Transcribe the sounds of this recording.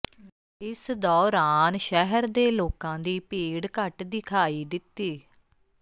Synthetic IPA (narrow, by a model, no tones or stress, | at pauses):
ɪsd̪ɔːɾaːnʃɛɦəɾd̪eːloːkãːd̪iːpeːɽkəʈd̪ɪkʰaːiːd̪ɪt̪ːiː